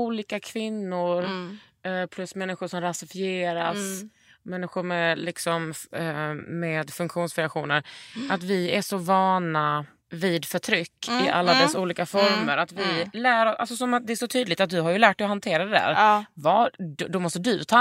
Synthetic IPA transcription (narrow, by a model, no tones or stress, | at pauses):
uːliːkakʰvɪnːʊɾ | pʰlɵsmɛnːɪɧʊʂɔmɾasɪfɪeːɾas | mɛnːɪɧʊɾmɛlɪksɔm | meːd̪fɵŋkɧuːnsfɾɛakɧuːnəɾʔat̪vɪæʂɔvɑːna | viːd̪fœʈʰɾʏkːɪʔa̰lːad̪ɛssːauːliːkafɔɾməɾat̪vɪlæːɾɔʔa̰lsɔsɔmat̪̚d̪ɛæʂɔt̪ʰyːd̪lɪɡt̪at̪̚d̪ɵɦaɾjɵlæːʈ̚d̪ɛjɔɦant̪ʰeːɾad̪ɛd̪æ̰ːɾvɑːd̪ɔmɔst̪əd̪ɵt̪ʰɑː